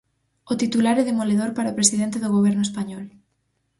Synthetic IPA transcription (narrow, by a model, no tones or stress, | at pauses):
ot̪it̪ulaɾɛðemoleðoɾpaɾaopɾesið̞ent̪eðʊɣ̞oβ̞ɛɾnʊespaɲɔl